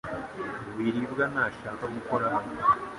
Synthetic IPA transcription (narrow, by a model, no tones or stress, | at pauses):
βuβiɾiβɣanaʃakamukoɾaama